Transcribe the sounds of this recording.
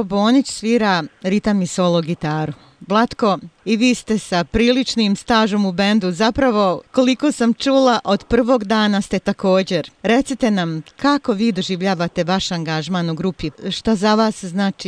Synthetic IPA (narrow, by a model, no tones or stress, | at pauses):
oboːnit͡ɕsʋiːɾaɾit̪amisolˠoɡit̪aːɾu | blˠat̪ko̞iʋiːst̪e̞sapɾiːlit͡ʃnimst̪aːʒo̞ːmube̞nd̪uzapɾaʋo̞ko̞liko̞ːsamt͡ʃuːlˠaʔo̞d̪pr̩ʋo̞ːɡd̪aːnast̪et̪ako̞ːd͡ʑe̞ɾɾe̞t̪sit̪e̞namkʰako̞ʋiːd̪o̞ʒiʋʎaːʋat̪e̞ʋaʃaŋɡaʒmaːnuɡɾupiʃt̪azaʋaːsznaːt͡ʃi